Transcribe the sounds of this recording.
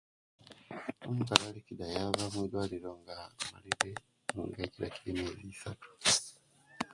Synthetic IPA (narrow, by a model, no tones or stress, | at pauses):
omukalalicidajaβamwidwaːliɾo̞ŋɡama̰liɾe | muŋɡaciɾa̰ciɾimieβisatu̥